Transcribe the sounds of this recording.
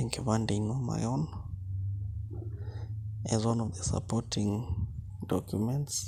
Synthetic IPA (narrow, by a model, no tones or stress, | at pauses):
ɛŋkʰeβandinɔma̰jɔn | ɛ̰zwãnɔvðəsa̰pɔtʰĩŋ | dɔkjumɛ̃nts